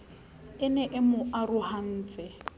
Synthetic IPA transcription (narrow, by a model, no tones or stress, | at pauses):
ɪnɛʔɪmʊʔarʊhan̩ːt͡sʼɪ